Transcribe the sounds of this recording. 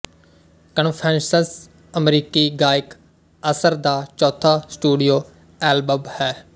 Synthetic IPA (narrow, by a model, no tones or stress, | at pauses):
kənpʰɛ̃ːnsəs | ɐmɾiːkiɡaːɪk | əsəɾd̪aːt͡ʃɔːt̪ʰasʈuːɖijoː | ɛːlbəbhɛː